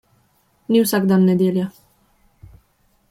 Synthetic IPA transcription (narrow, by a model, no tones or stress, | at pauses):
nʲiwsakd̪anːɛd̪ʲelʲja